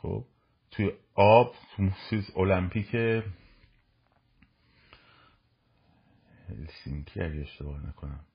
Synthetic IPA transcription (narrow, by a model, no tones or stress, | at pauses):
xo̰b̥̚ | t̪ʰujeɒb̥t̪ʰut̪ʰusolæmpʰiːcʰe | hhḛlsiŋcʰiæɟeeʃt̪e̞bɒːhnæ̰kʰo̞næm